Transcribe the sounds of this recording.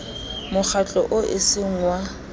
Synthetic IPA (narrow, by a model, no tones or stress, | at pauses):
mʊk͡xʰat͡ɬʼɔʔʊʔɪsɪŋ̩wa